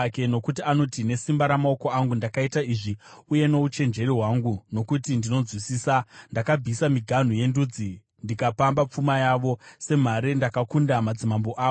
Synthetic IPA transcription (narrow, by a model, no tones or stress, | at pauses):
ke̞no̞kutiano̞tine̞simbaɾamao̞ko̞aŋɡundakaitaiʐiuje̞no̞ut͡ʃe̞nd͡ʒe̞riɦwaŋɡuno̞kutindino̞zwisiːsandakab͡visamiɡʱan̤uje̞ndud͡zi | ndikapambap͡fumajaʋo̞se̞m̤aɾendakakundamad͡zimambo̞ʔa